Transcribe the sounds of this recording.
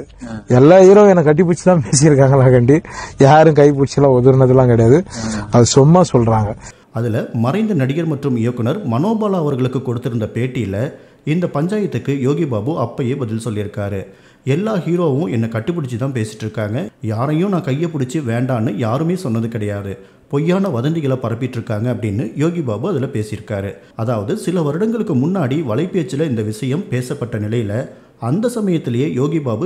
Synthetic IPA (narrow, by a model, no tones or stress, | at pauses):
ɛlːaːiːɾõːɛnːɐkːɐʈ̬ːɯp̬ʊɽɪt͡ʃːɯt̪ãːpeːs̬ɪjɪɾɯkːaːŋɡɐlaːkɐɳɖijaːɾɯ̃kɐɪp̬ʊɽɪt͡ʃːɐlãːɔðɯɾnɐðɐlːãːkɪɽɐjaːðɯɐðɯsʊmːasɔlɾaːŋɡɐ | ɐðɪlɐmɐɾɐɪnd̪ɐnɐɽɪɣɐɾmɐʈrɯmɪjɐkːɯnɐɾmɐnoːbaːlaːʋɐɾɣɐɭɯkːɯkːɔɽɯt̪ːɪɾɯnd̪ɐpeːʈːɪjɪlɐ | ɪnd̪ɐpɐɲd͡ʒaːjɐt̪ːɯkːɯjoːɣɪbaːbɯɐpːɐjebɐðɪlsɔlːɪɾɯkːaːɾɯ | ɛlːaːhiːɾoːʋʊ̃ɛnːɐkɐʈːɯp̬ːʊɽɪt͡ʃːɯt̪ãːnpeːsɪ̥ʈːɾɯkːaːŋɡɐjaːɾɐjʊ̃nãːkɐjːɐpːʊɽɪt͡ʃːɯʋeːɳɖaːnːɯjaːɾɯmeːsɔnːɐðɯkɪɽɐjaːðɯ | pɔjːaːnɐʋɐðɐnd̪ɪɣɐɭɐpɐɾɐp̬ːɪʈːɾɯkːaːŋɡɐɐpːɐɽɪnːɯjoːɣɪbaːbɯɐðɪlɐpeːsɪjɪɾɯkːaːɾɯ | ɐðaːʋɐðɯsɪlɐʋɐɾɯɽɐŋɡɐɭɯkːɯmʊnːaːɽiʋɐɭɐɪpːeːt͡ʃːɪlɐɪnd̪ɐʋɪsɐjɐmpeːsɐpːɐʈːɐnɪlɐjɪlɐ | ɐnd̪ɐsɐmɐjɐt̪ːɪlɐjeːjoːɣɪbaːbɯ